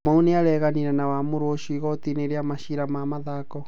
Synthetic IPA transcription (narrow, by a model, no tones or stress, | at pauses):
mauneaɾɛɣaniɾɛnawamoɾoʃuiɣɔt̪ineɾeamaʃiɾamamaðaːkɔ